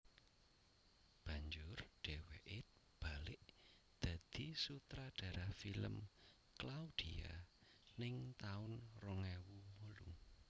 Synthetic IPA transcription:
b̥ä̤ɲd͡ʒʊrɖ̥e̤weʔɪt̪ | b̥alɪʔ | d̪̥ä̤d̪̥isut̪ɾaɖ̥a̤ɾahfiləm | klaud̪̥ia̰nɪŋt̪aʊnrɔŋɛwumolu

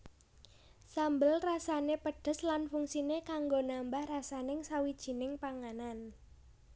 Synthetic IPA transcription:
sambəlrasanepəɖ̥ə̤slanfuŋsinekaŋɡonambahrasanɪŋsawid̥ʒ̥i̤nɪŋpaŋanan

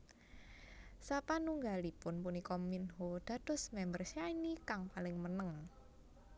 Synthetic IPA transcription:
sapanuŋɡalipʊnpunikɔminɦod̥ä̤d̥ɔ̤smɛmbərsjainikaŋpalɪŋmənəŋ

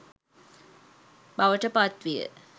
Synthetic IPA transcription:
baʋəʈəpat̪ʋijə̰

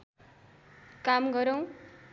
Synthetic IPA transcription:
kamɡʌɾʌw̃

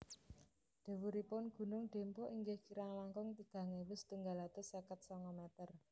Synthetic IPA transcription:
ɖ̪̥e̤wuɾipʊnɡ̥ṳnʊŋɖ̪̥e̤mpɔʔiŋɡehkiɾaŋlaŋkʊŋt̪iɡ̥ä̤ŋewɪst̪uŋɡalat̪ʊsekət̪̚sɔŋɔmɛt̪ər

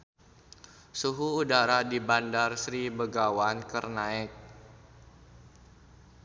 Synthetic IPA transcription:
suɦuːdaɾadibandarsɾibəɡawankərnaɪk̚

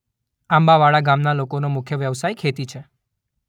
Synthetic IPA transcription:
ãmbaʋaɭaɡamnalokonomʊkʰjəʋjəʋsajkʰet̪it͡ʃʰe

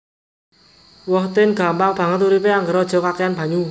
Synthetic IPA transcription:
wɔht̪ɪnɡ̥a̤mbaŋb̥a̤ŋət̪ːuɾipeaŋɡəɾɔd̥ʒ̥ɔ̤kakejanb̥ä̤ɲu

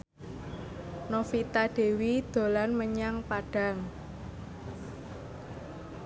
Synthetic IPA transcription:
nofit̪aɖ̥e̤wid̪̥o̤lanməɲaŋpaɖ̥a̤ŋ

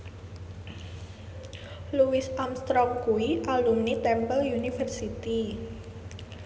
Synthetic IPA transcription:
luwisamst̪ɾɔmkuiʔalumnit̪ɛmpəljunifərsit̪i

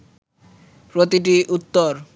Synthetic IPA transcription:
pɾot̪iʈ̬iʔut̪ːoɾ

